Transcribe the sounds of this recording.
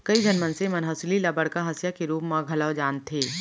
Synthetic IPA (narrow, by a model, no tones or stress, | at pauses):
kɐid͡ʒɐnmənsemɐnɦəslilabəɽkaɦɐsjakeɾuːpmãɡʱɐləʋd͡ʒaːnt̪ʰeː